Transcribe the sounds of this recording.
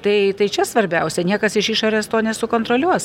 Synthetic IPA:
t̪ɐɪt̪ɐɪt͡ʃʲɛsʋɐɾʲbʲɛʊsʲɛnʲiɛkɐsɪʃiːʃoːɾʲeːst̪oːnʲɛsʊkoːnt̪ɾoːlʲuɔs

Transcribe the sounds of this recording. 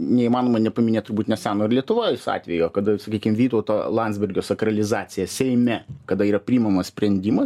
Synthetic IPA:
nʲɛimɑːnoːmɐnʲɛpɐmʲɪnʲeːt̪ʊɾbuːt̪ʲnʲɛsʲæːnoːɪɾlʲiɛt̪ʊʋoːjsɑ̰ːt̪ʲʋʲɛjokɐd̪ɐsɐkʲiːkʲɪmʋʲiːt̪oːt̪olˠɑntzʲbʲɪɾʲɡʲoːsɐkɾɐlʲɪzɑːt̪sʲɪjɛsʲɛɪmʲɛkɐd̪ɐiːɾɐpʲɾʲiimɐmɐssʲpʲɾʲɛnʲd̪ʲimɐ

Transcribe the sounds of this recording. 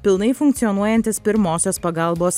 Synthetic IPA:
pʲɪlˠnɐɪfʊŋkt̪sʲiɔnuɔjɛnʲt̪ʲɪspʲɪɾmoːsʲoːspɐɡɐˑlˠboːs

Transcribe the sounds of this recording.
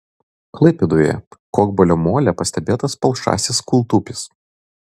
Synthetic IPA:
klˠɐɪpʲed̪oːjɛ̰koːɡbɔlʲomoːlʲɛpɐsʲt̪ʲɛbʲeːt̪ɐspɐlˠʃɑ̰ːsʲɪskʊlˠt̪upʲɪs

